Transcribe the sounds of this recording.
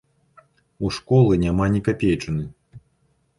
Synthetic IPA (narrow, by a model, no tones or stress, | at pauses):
uʂkɔlˠɨnʲamanʲikapʲejt͡ʂɨnɨ